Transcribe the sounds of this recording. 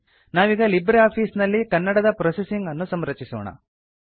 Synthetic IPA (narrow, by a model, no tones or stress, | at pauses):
naːʋiːɡɐlibɾeaːpʰiːsnɐlːikɐnːɐɽɐd̪ɐpɾoːsesiŋɡɐnːusɐmɾɐt͡ʃisɔːɳɐ̰